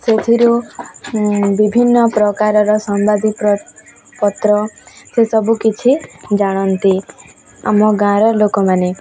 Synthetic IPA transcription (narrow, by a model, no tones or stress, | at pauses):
set̪ʰiɾu | bibʱinːɔpɾɔkaɾɔɾɔsɔmbad̪ip | pɔt̪ɾɔsesɔbukit͡ʃʰid͡ʒaɽ̃ɔnt̪i | a̰mɔɡãɾɔlokɔmane